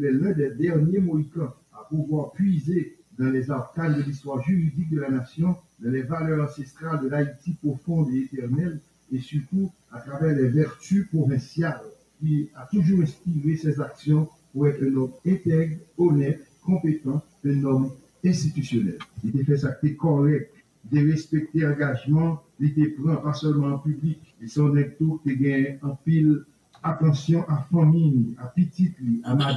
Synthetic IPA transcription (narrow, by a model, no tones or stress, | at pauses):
ɛlɛ̃d̪ɛd̪ɛʁnjemoikɑ̃ | apuvwaʁpɥized̪ɑ̃lɛzaʁkand̪əlist̪waʁʒyʁid̪ik̚d̪əlanasjɔ̃d̪ɑ̃lɛvalœʁɑ̃sɛst̪χald̪əlait̪ipχofɔ̃d̪eet̪ɛʁnɛl | esyʁt̪u | at̪χavɛʁlɛvɛʁt̪ypχovɛ̃sjal | kʲiat̪uʒuʁɛ̃spiʁesɛzaksjɔ̃ | puʁɛt̪χɛ̃nɔmɛ̃t̪ɛɡʁɔnɛt̪ | kɔ̃pet̪ɑ̃ | ɛ̃nɔm | ɛ̃st̪it̪ysjonɛ̰lit̪ɛfɛsaki̥t̪ɛkɔʁɛk | d̪eʁɛspɛk̚t̪eɑ̃ɡaʒmɑ̃lit̪ɛpʁɑ̃pasœlmɑ̃ɑ̃pyblikesɔ̃nɛk̚t̪ot̪eɡɛ̃ɑ̃pil | at̪ɑ̃sjɔ̃ʔafãminiapit̪it̪liamad̪